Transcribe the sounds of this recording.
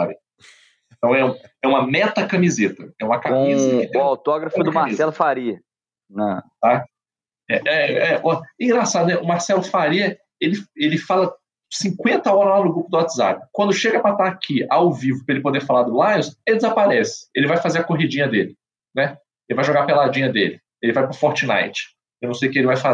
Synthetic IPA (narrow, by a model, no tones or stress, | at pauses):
sabɪ̃ | t̪ɐ̃w̃ɛũɛũmɐmɛt̪ɐkɐmizet̪ɐɛũmɐkãizɐɪt̪ʊawt̪ɔɡɾɐfʊd̪ʊmaɾssɛlʊfaɾiɐ | nɐ̃t̪a | ɛʔɛɛʔɔɛĩɡɾasad̪ʊnɛʊmaɾsɛlʊfaɾiɐ | elɪelɪfalɐ | sĩkwẽnt̪ɐɔɾɐlanʊɡɾupʊd̪ʊwat̪za̰pɪ̥kwɐ̃nd̪ʊʃeɡɐpɾat̪aːkʰiawvivʊpɾɐelɪpod̪efalaɾd̪ʊlajʊseɪd͡ʒɪzapaɾɛsɪ̥elɪvajfazeɾɐkoɦid͡ʒĩɲɐd̪elɪ | nɛ | elɪvajʒoɡapelad͡ʒĩɲɐd̪ḛlɪ | elɪvajpɾɐfɔɾt͡ʃɪna̰jt͡ʃɪ̥ | ewnɐ̃w̃sejʊkelɪvajfa